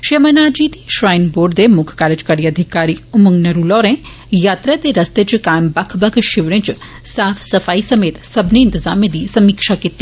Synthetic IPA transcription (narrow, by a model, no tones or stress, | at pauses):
ʃemɐnaːd͡ʒiːt̪iʃɾaːɪnboːɖd̪emʊkʰkaːɾəd͡ʒkəɾiɐd̪ʱɪkaːɾiʊmuŋnɐɾuːlɔːɾẽ | jaːt̪ɾat̪eɾɐst̪et͡ʃkaːjmbɐkʰbɐkʰʃɪʋɾẽt͡ʃ | saːfʰsɐfaːisɐmeːt̪sɐbʱneɪ̃nt̪ɪzaːmẽd̪iːsɐmiːkʃakɪt̪ːi